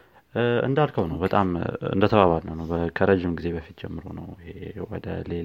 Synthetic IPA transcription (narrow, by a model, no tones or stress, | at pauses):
ɨ̰nd̪alkʰəwnəwbət̪ʼamɨ̰nd̪ət̪ʰəβaβalnəwnəwbəkʰəɾəd͡ʒɪmɡize̞βəfit̪d͡ʒɛmːɨɾo̰nə̰wɪhewɔ̰d̪ə̰le